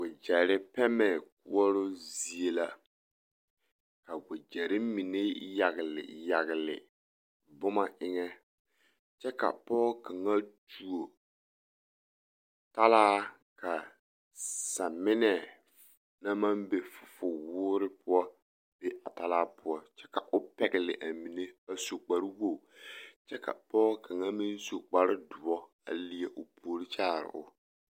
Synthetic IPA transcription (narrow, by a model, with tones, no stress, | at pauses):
ɡʊ˨d͡ʒɛ˨ɾɪ˦pɛ˦mɛ˨k̚ʊ̰˦ɔ˦ɾʊ˦zi˦e˦la˦ | ka˨ɡʊ˨d͡ʒɛ˨ɾɪ˦mi˨ne˦ja˨ɣɪ˨lɪ̰˨ja˨ɣɪ˨lɪ̰˨ | bʊ˦ma˨ʔɪ˦ŋɛ˦ | t͡ʃɛ˦ka̰˨pɔ˦ka˨ŋa˦tu˨o˨ | ta˦laː˦ | ka˨ | sa˨mɪ˦nɛ˦˨ | na˦ma˦mbe˨fʊ̥˨fʊ˨wʊː˦ɾɪ˦pʊ˦ɔ˦ | be˦ʔa˨ta˦laː˦pʰʊ˦ɔ˦t͡ʃɛ˦ka˨ʔʊ˦pɛ˨ɡɪ˨lɪ̰˨ʔa˨mi˨ne˦ba˦so˨k͡pa˨ɾɪ˦wo˦˨t͡ʃɛ˦ka̰˨pɔː˦ka˨ŋa˦mɪ˦nso˨k͡pa˦ɾɪ˦dʊ˨ɔ˦ | a̰˨li˦ɛ˨ʔʊ˨pʰoː˨ɾɪ˦t͡ʃaː˦˨ɾɪ̰˨ʔʊ̰˨